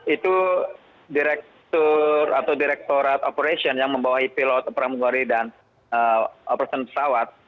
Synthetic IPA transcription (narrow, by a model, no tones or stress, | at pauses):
it̪u | diɾɛk̚t̪ɔrat̪awdiɾɛk̚t̪oɾat̪opəɾesiɔnjaŋməmbawahipilɔt̪ɔpɾaməɡaɾidan | əɔpəɾasɔnpə̥sawat̪̚